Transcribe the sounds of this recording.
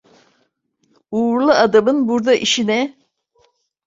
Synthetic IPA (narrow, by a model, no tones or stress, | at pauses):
uːɾlˠɯad̪amɯnbuɾd̪aʔiʃinɛ